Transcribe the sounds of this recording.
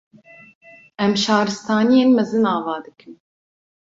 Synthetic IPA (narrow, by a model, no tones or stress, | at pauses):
ʔɛmʃɑːɾɨst̪ʰɑːnijeːnmɛzɨnɑːvɑːd̪ɨkʰɨm